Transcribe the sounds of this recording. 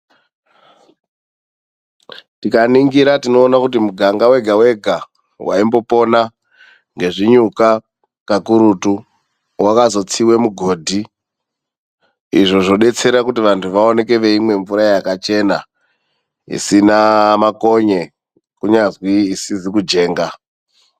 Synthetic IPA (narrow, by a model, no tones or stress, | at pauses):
tikaniŋɡiɾatino̞ːnakut̬imuɡʱaŋɡawe̞ɡʱawe̞ɡʱa | waimbo̞po̞na | ŋɡe̞ʐiɲuka | kakuɾutu | wakazo̞t͡siwe̞muɡʱo̞ːdʱi | ḭʐo̞ʐo̞ɗe̞t͡se̞ɾakutiʋantʰuʋao̞ne̞ke̞ʋe̞imwe̞ɱvuɾajakat͡ʃe̞na | ḭsinamako̞ɲe̞ | kuɲazwiːsizikud͡ʒe̞ːŋɡa